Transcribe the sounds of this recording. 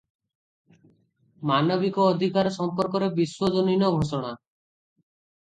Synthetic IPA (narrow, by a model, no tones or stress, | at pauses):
manɔbikɔːd̪ʱikaɾɔsɔmpɔɾkɔɾebiswɔd͡ʒɔninɔɡʱosɔɽ̃a